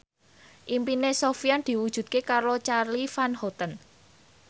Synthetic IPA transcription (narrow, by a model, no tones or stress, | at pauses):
ʔimpinesofiand̪̥i̤wud̥ʒ̥ṳd̪̚kekaɾot͡ʃarlifanhɔt̪ən